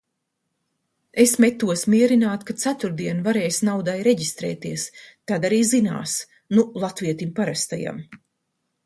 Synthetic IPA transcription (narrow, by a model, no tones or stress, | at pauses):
esmet̪ːuɔsmiɛɾinaːt̪kat̪sat̪uɾd̪iɛnvaɾɛːjsnawd̪ajɾeɟist̪ɾɛ̰ːt̪iɛst̪ad̪aɾiːzina̰ːs | nulˠat̪viɛt̪impaɾast̪aja̰m